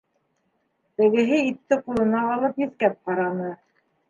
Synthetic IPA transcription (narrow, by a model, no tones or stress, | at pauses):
t̪ɘ̆ɡɘ̆ɦɘit̪ːɘqulˠɤ̆nɑʁɑlˠɤpjɘ̆θkæp̚qɑɾɑnɤ